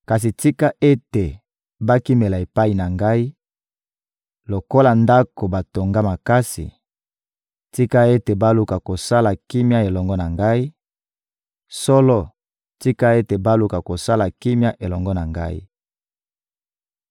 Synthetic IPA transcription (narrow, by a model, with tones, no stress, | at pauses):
ka˨s̬i˨ti˦ka˦ʔe˦te˨ | ba˦ki˦me˨la˨e˨pa˦i˨na˨ŋɡa˦i˦ | lo˨ko˦la˨nda˦ko˨ba˨to˨ŋɡa˦ma˨ka˦sḭ˨ | ti˦ka˦e˦te˨ba˦lu˦ka˨ko˨sa˦la˨ki˦mja˦e˨lɔ˨ŋɡɔ˦na˨ŋɡa˦i˦ | sɔ˦lɔ˦ | ti˦ka˦e˦te˨ba˦lu˦ka˨ko˨sa˦la˨ki˦mja˦ʔe˨lɔ˨ŋɡɔ˦na˨ŋɡa̰˦ḭ˦